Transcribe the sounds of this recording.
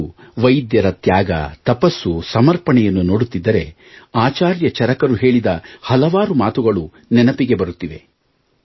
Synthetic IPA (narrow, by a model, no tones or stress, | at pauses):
ʋɐjd̪jɐɾɐt̪jaːɡɐ̰t̪ɐpɐsːusɐmɐɾpɐɳɛjɐnːunoːɽut̪ːid̪ːɐɾe̞ | aːt͡ʃaːɾjɐt͡ʃɐɾɐkɐɾuɦe̞ːɭid̪ɐhɐlɐʋaːɾumaːt̪uɡɐɭu | nɛnɐpiɡe̞bɐɾut̪ːiʋe̞̰